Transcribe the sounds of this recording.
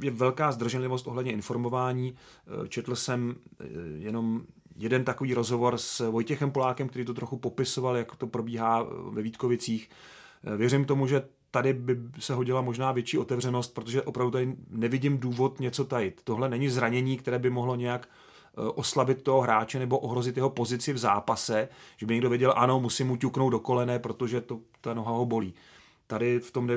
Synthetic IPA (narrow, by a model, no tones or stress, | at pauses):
jɛvɛlkaːzd̪r̩ʒɛnlɪvost̪ʔoɦlɛdɲɛʔɪnfo̞ɾmo̞vaːɲiːt͡ʃɛt̪l̩sɛm | jɛno̞m | jɛdɛnt̪akoviːɾo̞zɦo̞vo̞ɾsvo̞jcɛxɛmpolaːkɛmkt̪ɛɾiːt̪ot̪ɾo̞xupo̞pɪso̞valjakt̪o̞pɾo̞biːɦaːvɛviːt̪̚ko̞vɪt͡siːx | vjɛɾɪmt̪o̞muʒɛ | t̪adɪbɪsɛɦo̞ɟɪlamo̞ʒnaːvjɛt͡ʃiːʔo̞t̪ɛvr̝ɛno̞st̪̚pɾot̪̬oʒɛʔo̞pɾavdut̪adɪnɛvɪɟɪmduːvo̞t̪ɲɛt͡so̞t̪ajɪt̪ːoɦlɛnɛɲɪzɾaɲɛɲiːk̚t̪ɛɾɛːbɪmo̞ɦlo̞ɲɛjak | ʔo̞slabɪt̪̚ːoɦoɦɾaːt͡ʃɛnɛbo̞ʔoɦɾo̞zɪt̪jɛɦopo̞zɪt͡sɪvzaːpasɛʒ̥ɛbɪɲɛɡdo̞vjɛɟɛlʔano̞musɪmucuknowd̪do̞ko̞lɛnɛːpɾo̞t̪o̞ʒɛt̪ot̪ano̞ɦaɦo̞bo̞liː | t̪adɪft̪o̞mnɛ